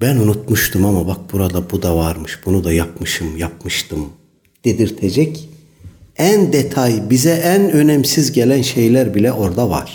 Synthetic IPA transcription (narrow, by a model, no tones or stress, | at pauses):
bænunut̪muʃt̪ʰɯmamabak̚buɾad̪abud̪avaɾmɯʃb̥unud̪ajapmɯʃɯmjap̚mɯʃt̪ʰɯm | d̪̥ed̪iɾt̪ʰed͡ʒɛc | ænd̪et̪ʰajbizɛʔænø̞nɛmsizɟelʲænʃe̞jlʲæɾbilʲɛʔo̞ɾd̪ava̰ɾ̥